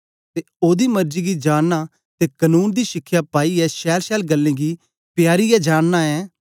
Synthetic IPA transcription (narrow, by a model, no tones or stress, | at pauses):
t̪e | oːd̪iːmɐɾd͡ʒiːɡid͡ʒaːɽna | t̪eːkənuːnd̪iːʃɪkʰːjaːpaːiɛːʃɛːɾʃɛːlɡəlːẽːɡiː | pjaːɾijad͡ʒaːɽnaːɛː